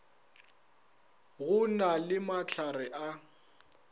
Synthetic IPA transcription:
ɣʊnalɪmat͡ɬʰarɛʔa

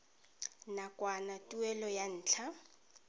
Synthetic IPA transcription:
nakʼwanatʼuɛlɔjan̩ːt͡ɬʰa

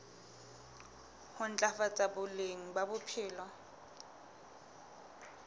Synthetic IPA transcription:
hʊn̩t͡ɬʼafat͡sʼabʊleŋ̩babʊpʰɪːlɔ

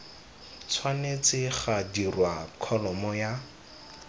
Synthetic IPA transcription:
t͡sʰwanet͡sɪχadirwakʰɔlɔmɔja

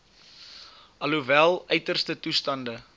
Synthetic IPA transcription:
ʔɐluvælˠœɥtərstətustɐndə

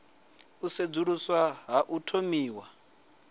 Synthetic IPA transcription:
used͡zuɺuswaɦaʔutʰomiːwa

